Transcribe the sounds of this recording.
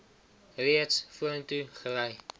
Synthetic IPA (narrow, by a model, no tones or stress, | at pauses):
riətsfuəntuχəlɛj